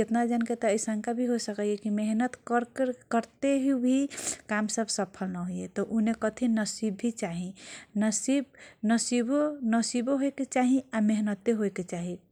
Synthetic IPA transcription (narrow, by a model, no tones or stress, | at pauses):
d͡ʒet̪nad͡ʒənket̪ɔəjsəŋkabʱiɦosəkəjekimeɦnət̪ɾkəɾt̪eɦibʱikamsəbʱsəpʰəlnaɦojet̪ɔʔunekət̪ʰinəsibːʱit͡ʃaɦĩnəsib̚nəsibonəsiboɦoeket͡ʃaɦiameɦnət̪ːeɦoeket͡ʃaɦi